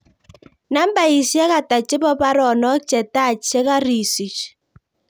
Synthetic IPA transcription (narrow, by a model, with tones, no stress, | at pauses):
na˦m˦ba˨i˨sjɛ˦ka˨ta˨t͡ʃɪ˦bɔ˦pa˦ɾɔ˨nɔ˦k̚t͡ʃɛ˨ta˦˨t͡ʃɛ˦ka˦ɾi˨si˨t͡ʃ